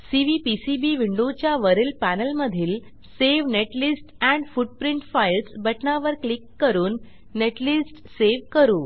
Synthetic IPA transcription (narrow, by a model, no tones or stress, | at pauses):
siʋipisibiʋiɳɖot͡ɕjaʋəɾilpænəlməd̪ʱiːl | seʋneʈlisʈæ̃ɳɖfuɖ̚pɾiɳʈfailsbəʈnaʋəɾklikːəɾuːnː | eʈlisʈseʋkəɾuː